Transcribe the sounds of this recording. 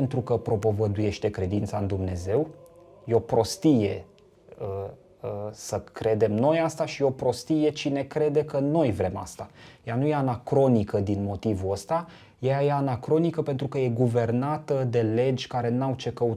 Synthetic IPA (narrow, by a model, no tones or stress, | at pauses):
ent̪ɾukəpɾo̞po̞vəd̪uje̞ʃt̪e̞kɾe̞d̪int̪saɨnd̪umne̞ze̞w | jeo̞pɾo̞st̪ije | ə | əsəkɾe̞d̪e̞mno̞jast̪aʃio̞pɾo̞st̪ije̞t͡ʃine̞kɾe̞d̪e̞kəno̞jvɾe̞ma̰st̪ajanujeanakɾo̞nikəd̪inmo̞t̪ivuəst̪a | jajeanakɾo̞nikəpe̞nt̪ɾukəje̞ɡuve̞rnat̪əd̪e̞le̞d͡ʒʲkaɾe̞nawt͡ʃe̞kəu